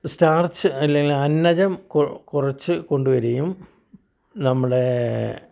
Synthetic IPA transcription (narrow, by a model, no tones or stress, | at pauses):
staːrsɨɐlːeŋɡilɐnːɐd͡ʑɐmkkurɐt͡ɕːɨko̞ɳɖuʋɐɾejum | nɐmːɐɽe̞